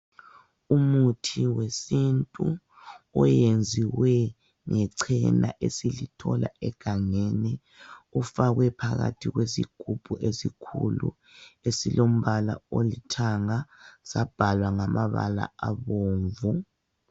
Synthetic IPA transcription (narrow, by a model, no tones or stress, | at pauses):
umutʰiwesintʼu | ɔjend͡zʱiwɛ | ŋɛǀʰɛna̰ʔesilitʰɔla̰ɛɡ̥ʱaŋenɛ | ufaɣwɛpʰaɣatʰiɣwesḭɡ̥ʱub̥ʱuʔesikʰṵlṵ | esilom̩βala̰olitʰaŋasab̥ʱalwaŋamaβa̰la̰aβoːɱvu